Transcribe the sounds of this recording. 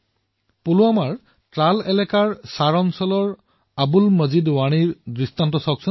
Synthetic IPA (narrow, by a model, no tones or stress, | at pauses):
puluamaɹ | tɹalɛlɛkaɹsaɹɔnsɔlɔɹ | abulməzidwañiɹdistantɔsɔk̚sɔ